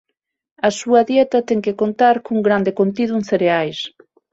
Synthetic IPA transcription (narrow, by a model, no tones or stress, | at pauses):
ɐsuɐðjɛt̪ɐt̪ɛŋkekont̪aɾkuŋɡɾand̪ɪkont̪iðuŋθeɾeajs